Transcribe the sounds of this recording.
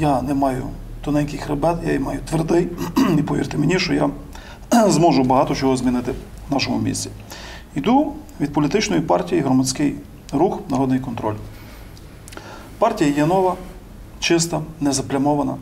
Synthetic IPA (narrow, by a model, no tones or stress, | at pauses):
janɛmɑjʊ̰ | t̪ʊnɛnʲkɪxɾɛbɛt̪ja̰imɑjʊt̪ʋerd̪ɪjipɔʋʲḭrt̪ɪmenʲiʃt͡ʃɔja | zmɔʒʊbɐɦɑt̪ɔt͡ʃɔɦɔzʲmʲinɪt̪ɪ | nɑʃɔmʊ̰mʲḭsʲt͡sʲi | id̪u | ʋʲid̪̚pɔlʲit̪ɪt͡ʃnɔjipɑrtʲijiɦɾɔmɐt͡sʲkɪj | ɾuxnɐɾɔd̪nɪjkɔnt̪ɾɔ̰lʲ | pɑrtʲijɐjɛnɔʋɐ | t͡ʃɪs̬t̪ɐnɛzɐplʲɐmɔʋɐnɐ̰